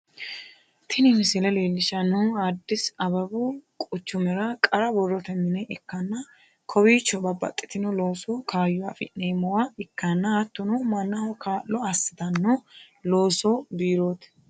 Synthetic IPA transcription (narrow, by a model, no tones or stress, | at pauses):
t̪ʰɪnɪmɪsɪlɛleːlːɪʃɐnuad̪ːɪsɐbɐbʊkʼʊt͡ʃːʊmɛɾɐkʼɐɾɐbɔrːɔt̪ɛmːɪnɛʔɛkːɐnːɐ | kʰɔbiːt͡ʃːɔbɐbːɐ̰t̪ʼːɪ̥t̪ɪnɔloːsoːkʰaːjːʊwafɪ̰nːeːmːɔwaɪkːanːɐɐt̪ːɔnɔmɐnːahɔkʰaːlɔɐsːɪ̥t̪ɐnːo | loːsobiːɾoːt̪